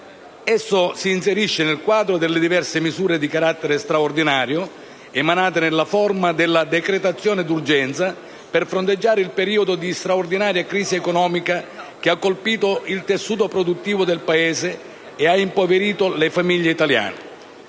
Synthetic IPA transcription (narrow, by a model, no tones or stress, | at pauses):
ɛsːʊsiːnseɾiʃːenelkwaːd̪ɾod̪elːed̪ivɛrsɪmizuːɾed̪ikaɾat̪ːeɾest̪ɾaord̪inaːɾjo | emanaːt̪̬ɪnelːafɔrmad̪ɪlːad̪ekɾet̪at̪sːjɔːnɪd̪urd͡ʒɛnt̪sa | perfɾont̪ed͡ʒːaːɾɪilpeɾiːod̪od̪ist̪ɾaord̪inaːɾjakɾiːziekɔnɔːmikak̟ɪakːolpiːt̪oilt̪esːuːt̪opɾod̪ut̪ːiːvod̪elpaeːseː | aimpoveɾiːt̪olefamiʎːeit̪alja̰ːnɪ